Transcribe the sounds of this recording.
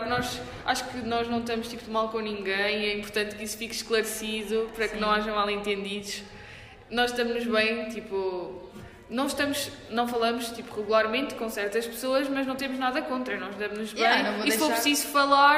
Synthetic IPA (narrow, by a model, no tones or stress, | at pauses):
knɔʃ | aʃu̥kɨnɔʒnɐ̃w̃t̪ɐmuʃt̪ipuðmalˠkõnĩŋɡɐ̃j̃iɛĩmpuɾt̪ɐ̃nt̪kisu̥fikʃklˠɐɾsiðupɐɾɐkknnɐ̃w̃aʒɐ̃w̃malˠẽnt̪ẽnd̪iðuʃ | nɔzʃt̪ɐmnuʒβɐ̃j̃t̪ipu | nɐ̃w̃ʃt̪ɐmuʃnɐ̃w̃fɐlˠɐmuʃt̪ipuʁɨɣulˠaɾmẽnt̪kõsɛɾt̪ɐʃpsoɐʒmɐʒnɐ̃w̃t̪emuʒnaðɐkõnt̪ɾɐnɔ̃ʃt̪ɐmunuʒβɐ̃j̪̃ɐ̃voifojpɾsizufɐlˠa